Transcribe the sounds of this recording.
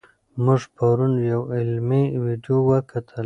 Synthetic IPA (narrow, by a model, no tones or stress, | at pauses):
muʐpaɾunjawɪlmiwiɖjowəkʰat̪ʰəl